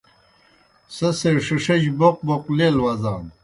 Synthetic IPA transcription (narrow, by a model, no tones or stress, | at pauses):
sɐseʂiʂɐd͡ʑboq̚boqleːlwɐzaːm